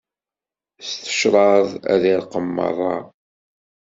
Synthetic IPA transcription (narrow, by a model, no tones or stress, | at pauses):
st̪ə̥ʃɾˤɑðˤæ̰ðiɾqəmːə̰rˤːɑ